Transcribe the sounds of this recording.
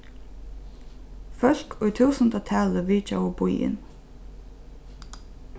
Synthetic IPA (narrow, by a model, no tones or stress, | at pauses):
fœɬkʰʊjt̪ʰuːsənt̪at̪ʰæːləʋiːt͡ʃawəbujɪ̰n